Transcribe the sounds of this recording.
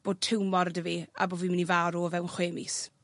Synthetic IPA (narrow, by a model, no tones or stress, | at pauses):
b̥oːd̚tʰɪwmɔɾədəvia̰boːviːmɪnivaːɾuvɛwnχweːmɪs